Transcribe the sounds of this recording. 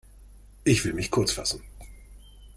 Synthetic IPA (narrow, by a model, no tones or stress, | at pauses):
ʔɪçv̥ɪlmɪçkʰʊɐt͡sfasn̩